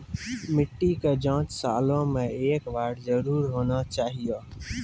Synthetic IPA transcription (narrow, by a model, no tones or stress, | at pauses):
mɪʈːiked͡ʒãːt͡ʃsaːlõmẽeːkʋaːɽzəɾuːɾɦoːnat͡ʃaːɦijaː